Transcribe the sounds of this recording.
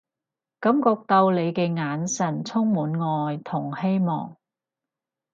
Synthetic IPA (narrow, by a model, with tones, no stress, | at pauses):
kɐ˨˥mkɔː˧k̚t̪ɐ˧wle˨˧jkɛː˧ŋaː˨˥nsɐ˨˩nt͡sʰʊ˥ŋmuː˨˥nŋɔː˧jt̪ʰʊ˨˩ŋhe˥jmɔ̰ː˨˩ŋ